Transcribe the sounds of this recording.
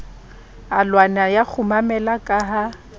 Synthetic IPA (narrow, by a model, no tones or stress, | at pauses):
alwanajak͡xʰʊmamɛlakʼaɦa